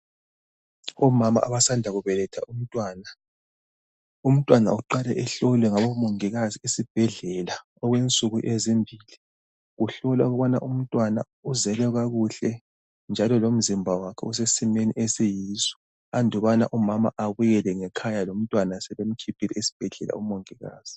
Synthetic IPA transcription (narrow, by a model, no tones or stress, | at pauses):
ɔmama̰ʔaβasandʱaɣuβɛlɛtʰa̰ʔum̩tʼwaːna | um̩tʼwana̰uǃalɛʔɛɬɔlwɛŋaβomuŋiɣaziisib̥ʱɛɮɛla | ɔɣwent͡sʼuɣuʔezimbʱili | ɣuɬɔlwaɣuβana̰ʔum̩tʼwana̰ | uzɛlɛɣaɣuɬɛ | nd͡ʒʱalɔlom̩zimbʱawakʰɛusesimenḭʔesijiːsɔ̥ | andʱɔβana̰ʔumama̰ʔaβujɛlɛŋɛkʰajalom̩tʼwanasɛβem̩kʰipʰilɛesi̥b̥ʱɛɮɛla̰umoŋiɣa̰ːz̥i